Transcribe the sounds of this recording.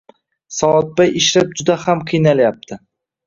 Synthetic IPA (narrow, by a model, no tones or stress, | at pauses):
sɒɒt̪̚bajɪʃɾap̚d͡ʒʊd̪ahamqʰɨjnaljap̚t̪ʰɪ